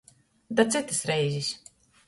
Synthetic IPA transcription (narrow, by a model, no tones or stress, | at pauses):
d̪at̪sɨt̪ɨsɾɛjzʲisʲ